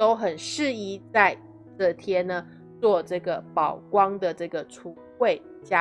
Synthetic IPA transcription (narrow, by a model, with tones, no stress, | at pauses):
t̪o˥ʊxə˨˩nʂɻ̩˥˧i˥˩t͡sa˥˧ɪ | ʈ͡ʂɤ˥˩t̪ʰjɛ˥nə˨ | t͡swɔ˥˧ʈ͡ʂɤ˥˩ɡə˩pɑ˨˩ʊkwɑ˥ŋd̪ə˨ʈ͡ʂɤ˥˩ɡə˩ʈ͡ʂʰu˧˥ | xwe˥˩ɪ | t͡ɕja˥